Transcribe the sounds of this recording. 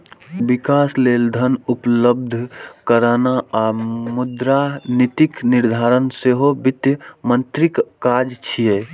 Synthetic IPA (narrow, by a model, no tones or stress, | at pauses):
bikasleːld̪ʱənupləbd̪ʱkəɾanaamud̪ɾanit̪ikniɾd̪ʱaːɾənseɦobit̪jəmənt̪ɾikːad͡ʒt͡ʃʰie